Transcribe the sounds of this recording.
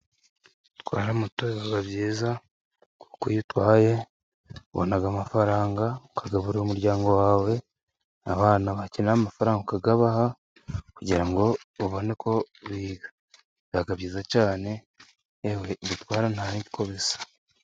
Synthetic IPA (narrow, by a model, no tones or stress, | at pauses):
twa̰ːɾamutoaɡaβjiːza | ku̥kujitwaːje̞ | βo̰naɡamafaɾaːŋɡakaɡaβuɾiomuɾɟaːŋɡo̞waːwe̞ | aβaːnaβacinaamafaɾaːŋɡakaɡaβaha | kuɟiɾaŋɡo̞βoβo̞ne̞kʰo̞ | βiːɡa | jaɡaβjiːzacaːne̞ː | weβitwaːɾanaiɟikʰo̞βesḁ